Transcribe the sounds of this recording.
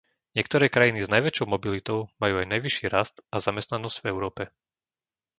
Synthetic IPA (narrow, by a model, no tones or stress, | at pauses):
ɲɪɛk̚t̪ɔɾɛːkɾajiniznajʋɛt͡ʃɔʊmɔbilit̪ɔʊmajuːajnajʋiʃiːɾast̪azamɛst̪nanɔz̥ɟ̥vɛʊɾɔːpɛ